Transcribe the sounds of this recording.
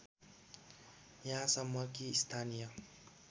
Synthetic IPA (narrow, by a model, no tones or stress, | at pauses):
jãsʌmːʌkiːst̪ʰanijʌ